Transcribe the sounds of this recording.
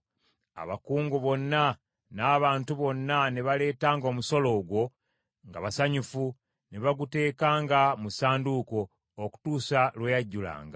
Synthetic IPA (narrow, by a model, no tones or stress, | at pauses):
a̰βa̰kuːŋɡuβo̞nːa | naːβaːntuβo̞nːaneβale̞ːtaːŋɡo̞ːmuso̞lo̞ːɡwo̞ | ŋɡa̰βasaɲufu | neβaɡute̞ːkaːŋɡamusaːnduko̞ː | ku̥tuːsalwejaɟːula̰ːŋɡa